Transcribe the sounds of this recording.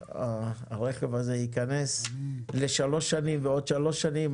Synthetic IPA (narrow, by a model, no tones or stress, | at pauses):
aʁe̞χevaze̞ikane̞sle̞ʃalo̞ʃanimveo̞d̪ʃalo̞ʃːanim